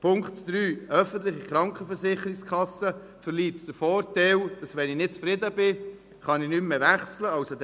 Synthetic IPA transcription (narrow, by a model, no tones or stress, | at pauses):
pʰʊŋkt̪d̪ɾyːʔœfənt̪lɪχiχɾɑŋkχəfəɾsɪχəɾɪkskχɑsə | fəliːtd̥əɾfɔːrtɛwd̥ɑsʋɛnɪnɪt̚t͡sfɾɪdəbɪ | χɑnɪnymmeʋæχsləɑʊsod̪